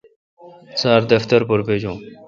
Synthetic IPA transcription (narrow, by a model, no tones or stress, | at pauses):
saːɾd̪ɐft̪əɾpʊɾpeːd͡ʑõː